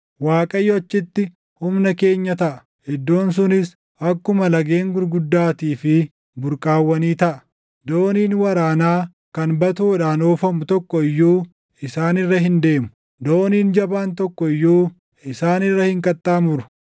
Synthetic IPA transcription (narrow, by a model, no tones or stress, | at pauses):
waːkʼɐjːɔɐt͡ʃːɪt̪ːɪ | hʊmnɐke̞ːɲːɐt̪ɐʔɐ | hɛd̪ːo̞ːns̬ʊnɪs | ɐkːʊmɐlɐɡe̞ːŋɡʊɾɡʊd̪ːaːt̪iːfɪ | bʊɾkʼaːwːɐniːt̪ɐʔɐ̥ | d̪oːniːnwɐɾaːnaː | kɐnbɐt̪uːᶑaːnoːfɐmʊt̪ɔkːɔɪjːuː | ɪsaːnɪrːɐɦɪnd̪e̞ːmʊ̥ | d̪oːniːnd͡ʒɐbaːnt̪ɔkːɔɪjːuː | ɪsaːnɪrːɐhɪŋkʼɐt̪ʼːaːmʊɾʊ̥